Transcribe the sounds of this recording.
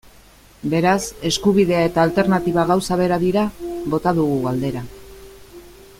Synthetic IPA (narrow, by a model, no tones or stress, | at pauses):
be̞ɾase̞skuβiðe̞ae̞t̪aːlt̪e̞ɾnat̪iβaɣawsaβe̞ɾaðiɾaβo̞t̪aðuɣuɣald̪e̞ɾa